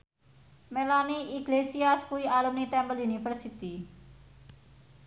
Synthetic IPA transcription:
melaniʔiɡlesiaskuiʔalumnit̪ɛmbəljunifərsit̪i

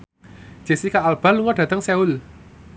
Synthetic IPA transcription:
ʒ̥e̤sikaːlb̥a̤nluŋɔɖ̥ä̤t̪əŋseul

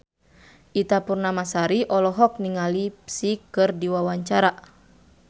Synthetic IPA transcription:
ʔit̪apurnamasaɾiʔɔlɔɦɔk̚niŋalipsikɨrdiwawaɲt͡ʃaɾa

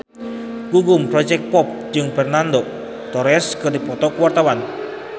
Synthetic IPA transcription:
ɡ̥uɡumpɾɔd͡ʒɛk̚pɔp̚d͡ʒɨŋfɛrnando | t̪ɔɾɛskɨrdipɔt̪ɔkuwart̪awan

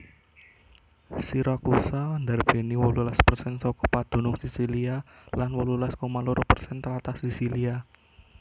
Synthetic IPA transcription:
siɾakusand̪arb̥e̤niwɔlulaspərsɛnsɔkɔpad̪̥o̤nʊŋsisilialanwɔlulaskɔmaluɾopərsɛnt̪əlat̪asisilia

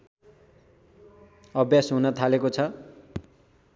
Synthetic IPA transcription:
ʌbjasɦunʌt̪ʰalekot͡sʰʌ

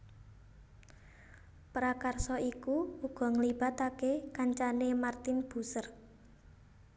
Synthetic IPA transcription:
pɾakarsɔʔikuuɡ̥ɔ̤ŋlib̥a̤t̪akekaɲt͡ʃanemart̪ɪnb̥ṳsər

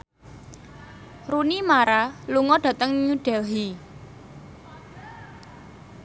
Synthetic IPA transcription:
runimaɾaluŋɔɖ̥ä̤t̪əŋɲuɖ̥ɛlɦi

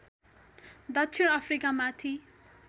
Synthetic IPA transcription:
d̪ʌkt͡ʃʰinʌpʰɾikamat̪ʰi

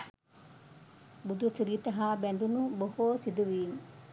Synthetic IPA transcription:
bud̪usuɾit̪ɐɦabɛnd̪unubohoːsid̪uʋiːŋ

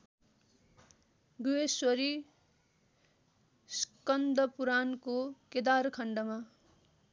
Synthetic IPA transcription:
ɡueswʌɾi | skʌnd̪ʌpuɾankoked̪arkʰʌɳɖʌma

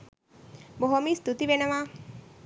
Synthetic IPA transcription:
bɔɦɔmist̪ut̪iʋenəma

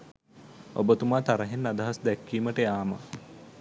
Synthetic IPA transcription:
o̰bət̪umaːt̪aɾɐɦenːad̪ɐɦasd̪ɛkːiːməʈəjaːmə̰

